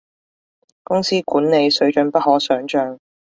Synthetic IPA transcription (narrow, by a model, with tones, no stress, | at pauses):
kʊ˥ŋsiː˥kuː˨˥nne˨˧jsɵ˨˥ɥt͡ʃɵ˨˧˥npɐ˥t̚ɦɔː˨˥sœː˨˥ŋt͡ʃœː˧ŋ